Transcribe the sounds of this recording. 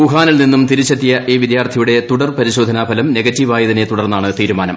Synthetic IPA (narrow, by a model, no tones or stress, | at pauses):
puɦaːnilninːumt̪iɾit͡ɕːɐt̪ːijɐʔiːʋid̪jaːrt̪ʰɐjuɽe̞t̪uɽɐrpɐɾiɕo̞ːd̪ʱɐnaːbʰʱɐlɐmne̞ɡɐtːiʋaːjɐðinet̪uɽɐrnːaːɳɨt̪iːɾumaːnɐm